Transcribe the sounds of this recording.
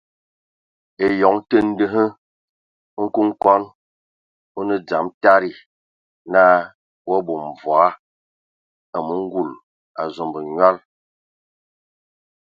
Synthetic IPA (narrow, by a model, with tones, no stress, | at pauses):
e˨jɔ˨˦ŋtə˦n̩˦də˦ɦə˦ | ŋ̩˦ku˦ŋ˦kɔ˦n | o˦nə˦d͡za˨mta˦ɾi˨ | naː˦ | wɔ˦bo˨m˨va˦ | a˨mu˦ŋ̩˦ɡu˦˨l | a˨zo˨mbə˨ɲwa˦l